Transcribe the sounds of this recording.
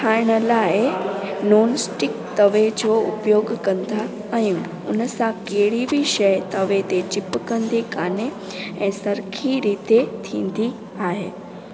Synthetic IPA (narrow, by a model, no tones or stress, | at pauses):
aːɪɽ̃ə̆laːɪnoːnsʈɪkt̪ɐʋed͡ʑoːʊ̰pjoːɡkɐ̃nd̪ʱa | ɐ̃ː | ʊnəsãkeɦɪɽibʱiʃɐjt̪ɐʋet̪et͡ɕɪpkɐ̃nd̪ikaːne | ɛ̃ːsɐɾkʰiɾiːt̪et̪ʰĩːnd̪i | aːɦeː